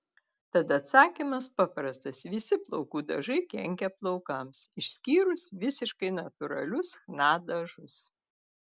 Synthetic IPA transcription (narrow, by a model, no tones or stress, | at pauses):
t̪ɐt̪ɐt̪sɑːkʲimɐspɑpɾɐst̪ɐsʋʲɪsʲɪplˠɔʊkuːd̪ɐʒɐɪkʲɛŋʲkʲɛplˠɐʊkɐmsɪʃʲsʲkʲiːɾʊsʋʲɪsʲɪʃkɐɪnɐt̪ʊɾɐ̰lʲʊsxnɑːd̪ɐʒʊs